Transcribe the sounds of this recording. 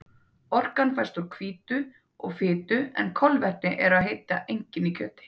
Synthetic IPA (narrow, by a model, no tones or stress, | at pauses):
ɔr̥kanfajst̪ʏɾkʰviːt̪ʏ | ɔɣfɪːt̪ʏɛ̰nkʰɔlvɛht̪nɪʔɛɾaðɦejt̪aʔejɲcɪnicʰœ̰ːt̪ɪ̥